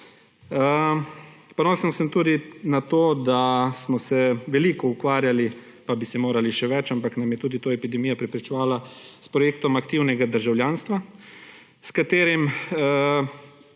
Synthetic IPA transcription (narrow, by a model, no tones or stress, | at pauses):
ə | pɔnoːsənsəmt̪uːd̪inat̪oːd̪asmɔsɛʋɛliːkɔukʋaːɾjali | pabisɛmoːɾaliʃɛʋɛt͡ʃampaknamjɛt̪uːd̪it̪oːɛpid̪ɛmiːjɔpɾɛpɾit͡ʃɛʋaːlaspɾɔjeːk̚t̪ɔmakt̪iwnɛɡad̪əɾʒawljaːnst̪ʋa | skat̪eːɾim